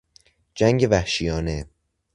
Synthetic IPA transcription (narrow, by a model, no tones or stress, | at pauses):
d͡ʒæŋɡe̞væhʃijɒːne̞